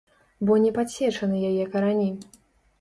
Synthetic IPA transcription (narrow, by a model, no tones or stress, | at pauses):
bɔnʲɛpat͡ɕʲɛt͡ʂɐnɨjajɛkɐɾanʲi